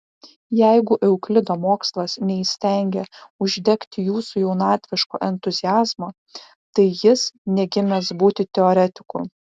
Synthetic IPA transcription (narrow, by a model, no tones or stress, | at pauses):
jɛɪɡʊʔɛʊklʲɪd̪oːmoːkslˠɐsnʲɛisʲt̪ʲɛŋʲɡʲɛʊʒʲd̪ʲɛkt̪ʲɪjuːsujɛʊnɑːt̪ʲʋʲɪʃko̰ːʔɛnt̪ʊzʲɪjæːzmo | t̪ɐɪjɪsnʲɛɡʲɪmʲɛsbuːt̪ʲɪt̪ʲɛoːɾʲɛt̪ʲɪ̥kʊ̰